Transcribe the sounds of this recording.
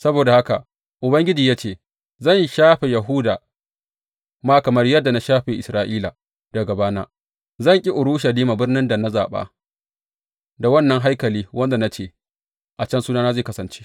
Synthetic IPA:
sɐ˦boː˨da˨ha˦ka̰˨ | ʔʊ˨bɐ˦ŋɡʲɪ˦d͡ʒiː˨jaː˦t͡ʃeː˦˨ | zɐ˦˨nʃaː˦ɸe˨jɐ˨ɦuː˦daː˨ | maː˦kɐ˨mɐ˦rjɐ˦dːa˨na˦ʃaː˦ɸe˨ʔɪ˨sɾaː˦ʔiː˦la˨ | d̥ɐ˨ɡɐ˨baː˦na̰ː˦ | zɐ˦˨ŋkʲʼi˦ʔʊ˨ɾuː˦ʃɐ˨liː˦ma˨bɪ˦rnɪ˦nda˨na˦za̰ː˨ɓa̰ː˦ | da˨wɐ˦nːɐ˦ŋɦa˦jkɐ˨liː˦wɐ˦nda˨na˦t͡ʃeː˦˨ | ʔa˨t͡ʃɐ˦nsuː˦naː˦naː˦zeː˦˨kɐ˦sɐ˨nt͡ʃe̥˦

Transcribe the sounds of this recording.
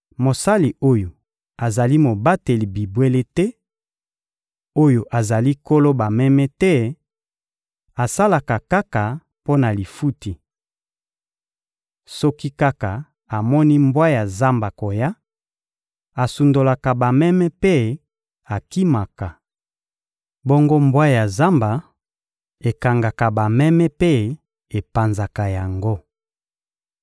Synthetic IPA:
mo˨sa˦li˨o˦jo˨ | a˨za˨li˦mo˨ba˦te˨li˨bi˨bwe˦le˦tɛ˦ | o˦jo˨ʔa˨za˨li˦ko˦lo˦ba˨mɛ˦mɛ˦tɛ˦ | a˨sa˦la˨ka˨ka˦ka˨ | po˦na˨li˨fu˦ti˨ | sɔ˦ki˦ka˦ka˨ | a˨mɔ˦ni˦mbwa˦ja˨za˦mba˨ko˨ja˦ | a˨su˨ndo˨la˨ka˨ba˨mɛ˦mɛ˦pe˦ | a˨ki˦ma˨ka˨ | bɔ˦ŋɡo˦mbwa˦ja˨za˦mba˨ | e˨ka˨ŋɡa˨ka˨ba˨mɛ˦mɛ˦pe˦ | e˨pa˨nza˨ka˨ja˨ŋɡo˦

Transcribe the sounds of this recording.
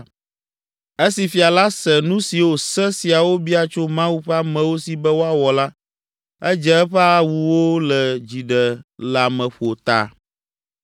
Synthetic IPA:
e˦si˨fi˨a˨la˦sɛ˨nũ˦si˨wo˨sɛ˦si˨a˨wo˦bi˦a˨t͡ʃo˦mã˦wu˦ɸɛ˦a˦mɛ̃˨wo˦si˨bɛ˦wo˦a˦wɔ˨la˦ | ɛ˦d͡ʒɛ˨ɛ˦ɸɛ˦a˦wu˨wo˦lɛ˨d͡ʑi˨ɖɛ˨la˨mɛ̃˨ɸo˨t̪a̰˨

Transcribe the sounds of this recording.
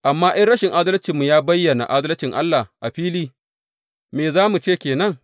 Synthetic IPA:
ʔa˨mːaː˦ʔɪ˦nɽɐ˦ʃɪ˨ŋʔa˦dɐ˦lt͡ʃiː˨mːu˨jaː˦bɐ˦jːɐ˨na̰˨ʔa˦dɐ˦lt͡ʃɪ˨ŋʔa˦lːa˨ʔa˨ɸiː˦liː˦ | meː˨zaː˦mu˨t͡ʃeː˦˨kʲeː˨nɐ˦ŋ

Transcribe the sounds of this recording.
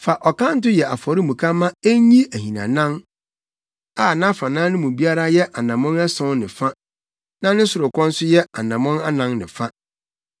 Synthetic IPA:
fa˨ʔɔ˨kã˦n̩˦tʊ˦jɛ˨a˨fɔ˨ɾi˦mũ˨kʰa˦mã˦e˦ɲĩ˦æ˨hĩ˨nã̰˨nã˦ŋ | aː˦˨nã˦fa˨nãː˦nɪ̃˦mũ˨bi˦a˦ɾa˦jɛ˦ʔa˨nã˨mɔ̃˦nɛ˦sɔ̃˦nnɪ̰̃˨fa˦ | nã˦nɪ̃˦sʊ˨ɾʊ˨kɔ̃˦n˦sʊ˦jɛ˦a˨nã˨mɔ̃˦na˦nã˦ŋnɪ̃˨fa˦

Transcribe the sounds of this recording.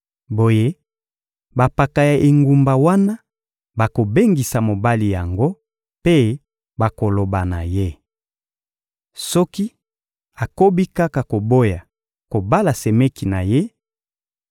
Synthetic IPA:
bo˨je˦ | ba˨pa˨ka˨ja˨ʔe˨ŋɡu˨mba˨wa˦na˦ | ba˨ko˨be˦ŋɡi˨sa˨mo˨ba˦li˨ja˨ŋɡo˦ | pe˦ | ba˨ko˨lo˨ba˨na̰˨je˦ | sɔ˦ki˦ | a˨ko˦bi˦ka˦ka˨ko˨bo˦ja˨ | ko˨ba˦la˨se˨me˦ki˨na˨je˦

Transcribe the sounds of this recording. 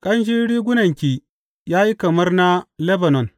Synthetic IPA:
kʼɐ˦nʒi˦ɽiː˦ɡʷʊ˦nɐ˨ŋkʲiː˨ | jaː˦ji˦kɐ˨mɐ˦rna˦lɛ˦bɐ˨nɔ˨n

